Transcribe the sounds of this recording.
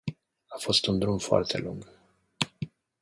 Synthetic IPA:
afo̞st̪und̪ɾumfoa̰rt̪ʰe̞̰luŋɡ

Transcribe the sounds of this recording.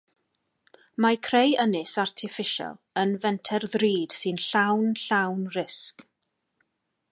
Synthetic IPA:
makʰrejənɪsartʰɪfɪʃa̰lˠənvɛntʰɛrðriːd̥sɨnɬawnɬawnrɪsk

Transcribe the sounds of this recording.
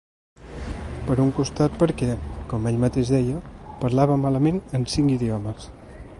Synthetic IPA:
pəɾuŋkust̪at̪̚pəɾkɛkɔmɛʎmət̪eʒðɛjəpəɾlaβəmaləmenənsiŋkiðiɔməs

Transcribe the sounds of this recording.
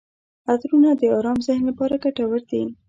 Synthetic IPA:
ad̪ɾunad̪əɑɾɑmzɪhnlapɑɾaɡaʈawəɾd̪i

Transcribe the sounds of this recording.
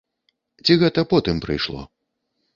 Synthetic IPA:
t͡sʲiɣɛt̪ɐpɔt̪ɨmpɾɨ̰jʂlˠɔ̰

